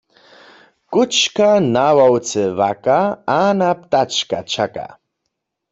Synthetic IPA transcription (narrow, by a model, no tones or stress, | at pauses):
kʊt͡ʃkanawawt͡sɛvakaanap̚t̪at͡ʃkat͡ʃaka̰